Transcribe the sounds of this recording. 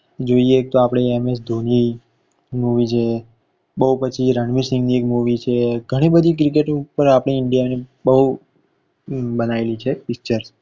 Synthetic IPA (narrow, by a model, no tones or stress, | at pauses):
d͡ʒoiek̚t̪oapɽ̃eemes̬d̪ʱoni | muʋit͡ʃʰe | bəɦupət͡ʃʰiɾəɳmisɪ̃ŋɡniekmuʋit͡ʃʰeɡʱəɽ̃ibəd̪ʱik̬ɾik̬eʈupəɾapɽ̃iɪɳɖijanebəɦu | bənaelit͡ʃʰefɪkt͡ʃəɾs